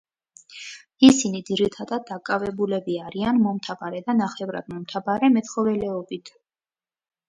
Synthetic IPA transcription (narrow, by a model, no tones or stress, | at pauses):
isinid̪ziɾit̪ʰad̪ad̪̚ːakʼavɛbulɛbiaɾianmɔmt̪ʰavaɾɛd̪anaχɛvɾa̰d̪mɔmt̪ʰabaɾɛmɛt̪χɔvɛlɛɔbit̪ʰ